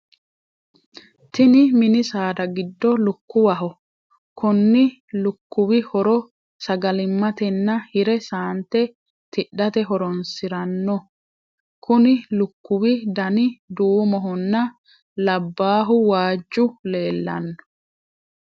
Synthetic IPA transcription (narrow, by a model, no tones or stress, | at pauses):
t̪ɪnɪmɪnɪsaːd̪ɐɡɪd̪ːɔlʊkːʊwɐɦɔ | kʊnːɪ | lʊkːʊwɪhɔɾɔ | sɐɡɐlɪmːɐt̪ɛnːɐhɪɾɛsaːnt̪ɛ | t̪ɪɗɐt̪ɛɦɔɾɔnsɪɾɐnːɔ | kʊnɪlʊkːʊwɪd̪ɐnɪd̪uːmɔɦɔnːɐ | lɐbːaːɦʊwaːd͡ʒːʊle̞ːlːɐ̰nːɔ̥